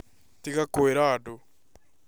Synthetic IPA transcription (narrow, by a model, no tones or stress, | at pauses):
tiɣakoeɾado